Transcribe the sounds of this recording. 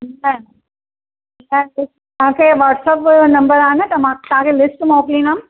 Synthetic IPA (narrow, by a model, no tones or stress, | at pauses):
an | ãlɪsʈt̪ãːkʰeʋaːʈsɐpnɐ̃mbəɾaːnɨt̪ɐmãt̪ãːkʰelɪsʈmoːklĩːnam